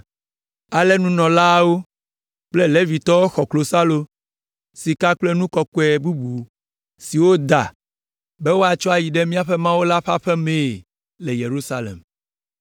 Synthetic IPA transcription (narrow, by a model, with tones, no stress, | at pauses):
a˨lɛ˦nũ˦nɔ̃˨la˦wo˦ | k͡ple˦le˦vi˨t̪ɔ˦wo˦xɔ˨klo˨sa˦lo˦ | si˨ka˦k͡plɛ˦nũ˦kɔ˦kɔ˦ɛ˨bu˦bu˨ | si˨wo˦d̪a˨ | bɛ˦wo˦a˨t͡ʃɔ˦a˨ji˨ɖɛ˦mĩ˦a˦ɸɛ˦mã˦wo˦la˦ɸa˦ɸɛ˦mẽ˨ | le˨je˨ɾu˦sa˦lɛ̰˨m